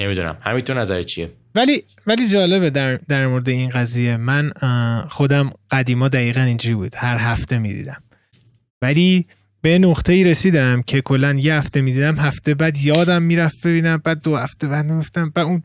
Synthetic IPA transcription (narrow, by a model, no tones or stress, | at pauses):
nemid̪unæ̰mhæ̰mit̪oɾnæzæ̰ɾet͡ʃʰiḛ | væliː | væliːd͡ʒɒːle̞βed̪æɾd̪æɾmoɾed̪e̞inɡæzije̞mænxo̞d̪æmɢ̥æd̪iːmɒːd̪æiːɣænind͡ʒuɾibṵːd̪̥hæɾɦæft̪ʰe̞mḭd̪ḭd̪æm | væliː | bejenoɡt̪ʰe̞iːɾe̞siːd̪æmcʰe̞kʰo̞lːænje̞hæft̪e̞miːd̪iːd̪æmɦæft̪e̞bæd̪jɒːd̪æmːiːɾæfb̥e̞biːnæmbæːd̪̚ːohæft̪e̞bæd̪miɡoft̪æmbæd̪un